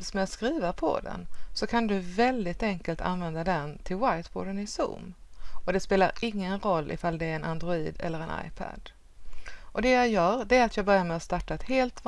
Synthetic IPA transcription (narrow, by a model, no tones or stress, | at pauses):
smɛjaskɾiːvəɾpʰɔ̰d̪ɛ̰nsɔkʰand̪ɵvɛld̪ɪt̪ɛŋkəlt̪ʰa̰nvɛnd̪ad̪ɛnt̪ʰɪlwajt̪bʰɔ̰d̪ənɪsṵːm | ɔd̪ɛspeːlaɾɪŋːənɾɔlːʔɪ̰fald̪ɛːɾɛnʔand̪ɾʊḭːd̪ɛ̰lːəɾɛna̰jpʰæ̰d̪̥ | ʔɔd̪ɛjɑjœːɾɖ̪ɛæɾat̪ʰjɑːɡbœɾjaɾmɛast̪aʈːaɛt̪heːlt̪v